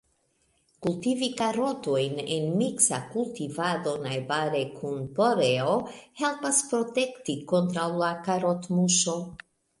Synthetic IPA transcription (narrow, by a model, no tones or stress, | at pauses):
kultivikaɾo̞to̞jnḛnmiksakultivado̞najbaɾe̞kʰunpo̞ɾeo̞he̞lpaspɾo̞te̞ktiko̞ntɾawlakaɾotmuʃo̞